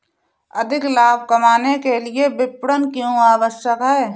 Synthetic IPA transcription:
ɐd̪ʱɪklaːb̚ʱkɐmaːnekeliebɪpɽənkjũaːwəʃjəkɦɛː

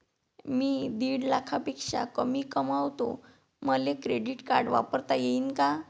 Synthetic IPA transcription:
miːd̪iːɽlakʰapekʂa̰kəmiːkəmawt̪o̰ | məlekɾeɽiʈka̰ɾɖʋa̰pəɾt̪ajeiːnka

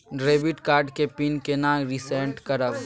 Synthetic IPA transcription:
ɖɾeːbiʈkaːɾɖkepinkenãːɾisẽːɳʈkɐɾəb

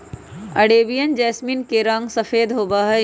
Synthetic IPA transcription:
ɐɽeːbijənd͡ʑɛːsminkeɾɐ̃ŋɡsɐfeːd̪ɦoːbaːɦɛ

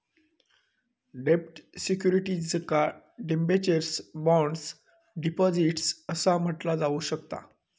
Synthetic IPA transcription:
ɖepʈsikjuɾiʈid͡zəka | ɖembet͡ɕəɾsbɔ̃ɳɖs | ɖipɔd͡ziʈsəsam̤əʈlad͡zauɕəkt̪a̰

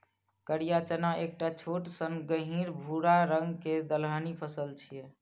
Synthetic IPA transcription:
kəɾijat͡ʃənaʔek̚ʈat͡ʃʰoʈsənɡəɦiɾbʱuɾaɾəŋɡked̪əlɦənipʰəsəlt͡ʃʰijɛ

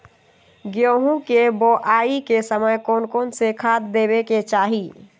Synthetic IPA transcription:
ɡjoːɦũkeboʔaːikesəməjkoːnkoːnsekʰaːt̪d̪eːbeket͡ʃaːɦi

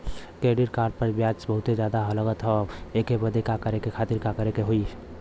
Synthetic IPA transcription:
keːɖiɾkaːɾɖ̚pəɾbjaːt͡ʃbəɦʊt̪ed͡ʒjaːd̪aɦɐləɡət̪ɦɛeːkebəd̪ekakəɾekekʰaːt̪ɪɾkakəɾekeɦoi

